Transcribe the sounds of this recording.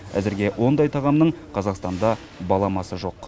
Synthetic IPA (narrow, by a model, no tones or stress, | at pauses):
æ̰zɪɾɡʲe̞wʔo̞nd̪ɑjt̪ʰɑʁɑmnəɴqʰɑzɑqst̪ɑnd̪ɑ | bɑlˠɑmɑsəʒo̞q